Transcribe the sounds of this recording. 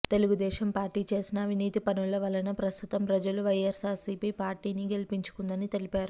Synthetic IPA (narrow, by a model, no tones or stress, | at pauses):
t̪e̞luɡud̪ɛːʃɐmpaːɾʈiːt͡ʃe̞ːsinɐːʋʱiniːt̪ipɐnulɐʋɐlɐnɐpɾɐst̪ʰut̪ɐmpɾɐd͡ʒɐluʋɐjɐɾsaːɾsiːpiːpaːɾʈiːniɡe̞lipiɲt͡ʃu̥kund̪ɐnit̪e̞lipaːɾu